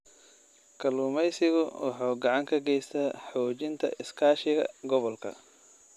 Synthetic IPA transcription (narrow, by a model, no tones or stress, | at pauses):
kʰɐluːmɛjsɪɣʊwʔɑħɑːɡɑʕɑŋkʰɐɡɛjst̪ʰaħɔːt͡ʃɪnt̪ʰɐ̰ʔɪskʰaːʃɪɣɐ̰ɡɔβɔlkʰɐ̰